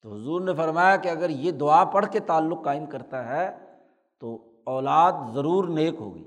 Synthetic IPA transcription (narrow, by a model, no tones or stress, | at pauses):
t̪oɦʊzuːɾnefɐɾmaːjakeɐɡəɾjed̪ʊaːpɐɽ̤ket̪aːlːʊqːaːɪmkɐɾt̪aɦɛ | t̪o | ɔːlaːd̪zɐɾuːɾneːkɦo̰ːɡḭː